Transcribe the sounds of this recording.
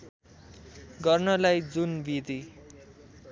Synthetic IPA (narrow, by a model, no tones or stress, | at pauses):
ɡʌrnʌlajd͡zunbid̪i